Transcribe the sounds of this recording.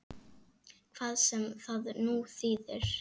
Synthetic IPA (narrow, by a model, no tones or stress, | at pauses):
kʰv̥aːðsɛmθaðnuːθiːðɪɾ̥